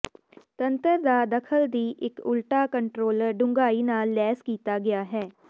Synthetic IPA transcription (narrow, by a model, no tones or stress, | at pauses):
t̪ənt̪əɾd̪aːd̪əkʰəld̪iːʔɪkʊlʈaːkəɳʈɾoːləɾɖʊ̃ŋɡaːiːnaːlːɛːskiːt̪aːɡɪjaːɦɛː